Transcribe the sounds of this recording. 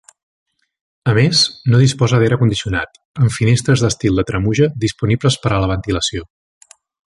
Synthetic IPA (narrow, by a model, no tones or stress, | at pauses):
əmeznoðispɔzəðɛɾəkund̪isiuna̰t̪ | əɱfinest̪ɾəzðəst̪ilˠd̪ət̪ɾəmuʒəd̪ispunibləspəɾələβ̞ənt̪iləsio